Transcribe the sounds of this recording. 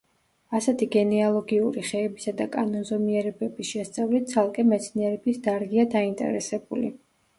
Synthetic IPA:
asɛt̪ʰiɡɛnɛalˠɔɡiuɾiχɛːbisad̪akʼanɔnzɔmiɛɾɛbɛbisʃɛst̪sʼavlit̪̚sʰalˠkʼɛmɛt̪sʰniɛɾɛbisd̪aɾɡiad̪aint̪ʼɛ̰ɾɛsɛbulḭ

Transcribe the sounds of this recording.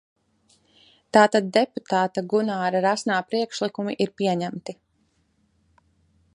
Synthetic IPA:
t̪aːt̪ad̪̚ːeput̪aːt̪aɡunaːɾaɾasnaːpɾiɛkʃlˠikumḭʔiɾpiɛɲæmt̪i

